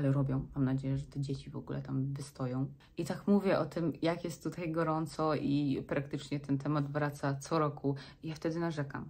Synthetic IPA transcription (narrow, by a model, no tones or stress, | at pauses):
alɛɾɔbʲjɔ̃w̃mamnad͡ʑejɛʐɛt̪ɛd͡ʑet͡ɕivɔ̰ɡṵlɛ̰t̪amvɘst̪ɔjɔ̃w̃ | it̪akmuvʲjɛʔɔt̪ɘmjakjɛst̪ːut̪ajɡɔɾɔnt̪sɔʔipɾak̚t̪ɘt͡ʂɲɛt̪ɛnt̪ɛmad̪vɾat̪sat̪sɔɾɔkʰuijaft̪ɛd̪ɘnaʐɛka̰m